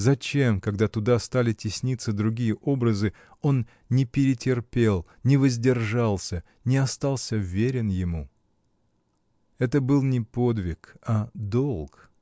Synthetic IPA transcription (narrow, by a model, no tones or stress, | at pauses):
zɐt͡ɕe̞mkɐɡd̪at̪ʊd̪ast̪alʲɪtʲɪsʲnʲit̪sːəd̪ɾʊɡʲijəʔo̞bɾəzɨ | o̞n | nʲɪpʲɪɾʲɪtʲɪrpʲe̞lˠ | nʲɪvəzʲdʲɪrʐalˠsʲə | nʲɪɐst̪ɑlˠsʲəvʲeɾʲɪnjɪmu | ɛt̪əbɨlˠnʲɪpo̞d̪vʲɪkad̪olˠk